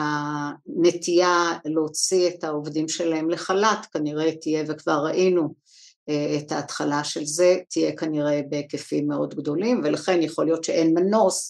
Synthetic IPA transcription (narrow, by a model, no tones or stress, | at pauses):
ane̞tijalot͡sietaovdimʃe̞lae̞mleχalatkaniʁe̞tije̞vekvaʁːaʔinu | eːthaːtχalaʃe̞lze̞tije̞kaniʁe̞bekefimːeo̞dɡdo̞limve̞laχe̞njaχo̞lijo̞tʃeʔenmano̞s